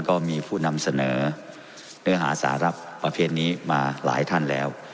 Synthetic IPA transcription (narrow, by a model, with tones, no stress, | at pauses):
nkɔː˥˩miː˧pʰuː˥˩na˧msa˧nɤː˩˦ | nɯ˦˥ɐɦaː˩˦sa̰ː˩˦ɾa˦˥˩pːɾa˧pʰeː˧˩t̪̚niː˦˥maː˧la̰ː˩˦jt̪ʰa˥˩nlɛː˦˥w